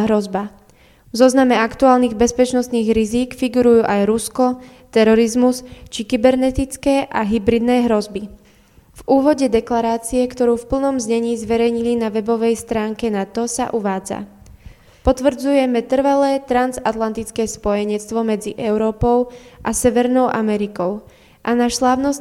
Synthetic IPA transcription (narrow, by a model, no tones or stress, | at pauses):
ɦɾɔzba | vzɔznamɛakt̪uaːlniːɣbɛspɛt͡ʃnɔst̪niːɣɾiziːkfiɡuɾujuːʔajɾuskɔ | t̪ɛɾɔɾizmust͡ʃikibɛɾnɛt̪it͡skɛːʔaɦibɾid̪nɛːɦɾɔzbi | vuːʋɔɟɛd̪ɛklaɾaːt͡siɛkt̪ɔɾuːfpl̩nɔmzɲɛɲiːzʋɛɾɛjɲilinaʋɛbɔʋɛjst̪ɾaːŋkɛnat̪ɔsa̰ʔuʋaːd͡za̰ | pɔt̪ʋr̩d͡zujɛmɛt̪r̩ʋalɛːt̪ɾanzat̪lant̪it͡skɛːspɔjɛɲɛt͡st̪ʋɔmɛd͡ziʔɛʊɾɔːpɔʊʔasɛʋɛɾnɔʊʔamɛɾikɔʊ | ʔanaʃslaːʊnɔs